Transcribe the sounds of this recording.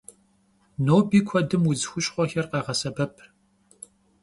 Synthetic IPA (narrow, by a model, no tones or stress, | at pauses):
noːbiːkʷʰɔdɨmuzɨxʷʊɕʼχʷɔxɐrqɑːʁɐsɐbɐpʰ